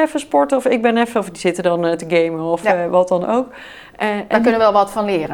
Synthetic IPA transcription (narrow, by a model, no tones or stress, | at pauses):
ɛfəspɔɹtɔfɪɡ̚bɛnɛfəɔfdiz̥ɪtədɑntəɡejməɔfʋɑt̚dɑnowk | ʔəɛakɵnəʋəɛlˠʋɑtfɑnlɪːrə